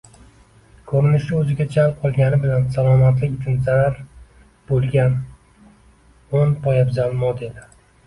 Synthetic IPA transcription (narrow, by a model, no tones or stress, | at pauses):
kʰɵɾɪnɪʃɪɵzɪɡʲad͡ʒalˠp̚qʰɒlˠɡʲanɪbɪlansalɒmat̪lɪkʲɪt̪ʰɪnzaɾaɾ | b̥olˠɡʲan | onpʰɒjabzalˠmɒd̪elɪ